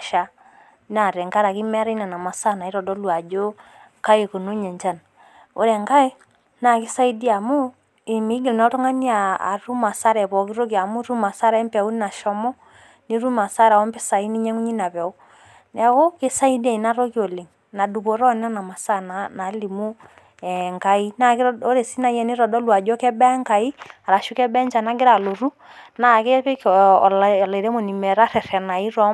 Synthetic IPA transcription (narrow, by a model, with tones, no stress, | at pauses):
ʃa˦ | na˨ɾɛ˨ŋka˦ɾa˨ki˦mɛ˦ɾa˦i˦na˨na˨ma˨sa˦na˨i˦ɾɔ˨dɔ˦lwa˨d͡ʒo˦ | ka˦e˨ko˨no˦ɲɛ˨ɲt͡ʃa˦˨n | o̰˨ɾɛ˨ŋka˦e˦ | na˨kɪ˦sa˦i˦di˦a˨mʊ˦ | ɪ˨mi˦ɡɪ˨lnɔ˦ɾɔ˦ŋa˦ni˦a̰ː˨ɾu˦ma˨sa˦ɾɛ˨bɔ˨kɪ˦ɾo˦ki˨a˨mʊ˦ɾu˦ma˨sa˦ɾa˨˦mpa˨u˦n˦na˨ʃɔ˨˦mɔ˦ | ni˦ɾu˦ma˨sa˦ɾa˨ɔ˦mpɪ˦sa˨i˦ni˦ɲɛ˦ŋu˦ɲi˦na˨bɛ˨o˦ | nɛ˨ɣo˦kɪ˦sa˦i˦dɛ˦˨i˨na˦ɾo˦ki˦o˨le˨ŋ | na˨du˨βo˨ɾɔ˦n˦a˦na˨ma˨sa˦na˨na˨˦li˨mu˦ | ɛ˨ŋka˦i˦na˦ko˦ɾe˨si˦na˨jɛ˦ni˦ɾɔ˨dɔ˦lu˦a˨d͡ʒɔ˦kɛ˦bɛ˦ŋka˨i˦a˨ɾa˨ʃu˦kɛ˦bɛ˦nd͡ʒa˨na˦ɡɪ˦ɾa˨lo˨ɾu˦ | na˨ke˦plle˨ɾe˦mo˨ni˨mɛ˨ɾa˦ɾɛ˨ɾɛ˨na˨i˦ɾɔ˦